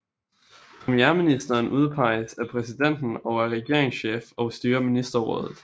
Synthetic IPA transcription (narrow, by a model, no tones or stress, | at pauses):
pʰʁɛmieɐminisd̥ɐːnʔuð̞ˠpʰɑ̈ɪ̰əsæɐpʰʁɛsid̥en̰d̥n̩ɒ̽ʊæɐʁɛɡ̥e̝ɐ̰e̝ŋsɕḛːfɒ̽ʊsd̥yːɐminisd̥ɐʁɔ̽ːð̞ˠð̩ˠ